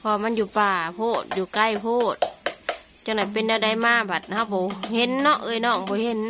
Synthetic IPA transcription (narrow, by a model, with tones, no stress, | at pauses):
pʰɔ˧a˧˨ma˧˥˨njuː˧˩paː˧˩pʰoː˧˩t̪̚juː˧˩ka˧˥˨jpʰoː˧˩t̪̚ | t͡ɕa˧˩ŋdɔ˧˨˩jpe˧˨nda˧˩˧da˧˩jmaː˧˨ba˨˩t̪̚ha˧˨wbɔː˨˩he˧˦nːɔ˧˨ʔɤː˧˨jnɔː˧˩˨ŋbɔː˧˨he˧˦n